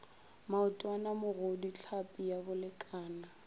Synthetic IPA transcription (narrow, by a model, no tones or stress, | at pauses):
maʊtʼwanamʊɣodit͡ɬʰapʼijabʊlɪkʼaːna